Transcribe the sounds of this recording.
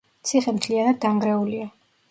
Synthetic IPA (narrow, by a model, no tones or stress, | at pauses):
t̪sʰiχɛmt̪ʰlianad̪̚daŋɡɾɛulia